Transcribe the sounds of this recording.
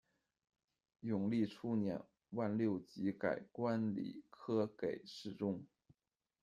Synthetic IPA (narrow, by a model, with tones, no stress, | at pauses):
jʊ˨˩ŋli˥˩ʈ͡ʂʰu˥njɛ̰˨˩˦n | wa˥˧nljo˥˩ʊt͡ɕi˧˥ka˨˩ɪkwa˥nlḭ˨˩kʰɤ˥ke˨˩ɪʂɻ̩˥˩ʈ͡ʂʊ˥ŋ